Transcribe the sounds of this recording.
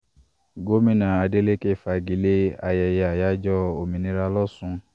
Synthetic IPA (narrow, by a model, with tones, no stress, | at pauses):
ɡo˦mĩ˦nã˨a˨de˦le˦ke˦˨fa˧˨ɡi˨˦le˦a˧jɛ˧jɛ˨a˨ja˦d͡ʒɔ˦o˨mĩ˨nĩ˦ɾa˧lɔ˦sũ˧